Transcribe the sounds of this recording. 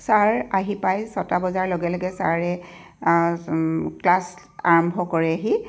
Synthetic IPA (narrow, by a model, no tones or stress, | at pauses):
saɹaɦipajsɔtabɔzaɹloɡɛlɔɡɛsaɹɛ | klas | a̰ɹɔmbʱɔkɔɹɛaɦi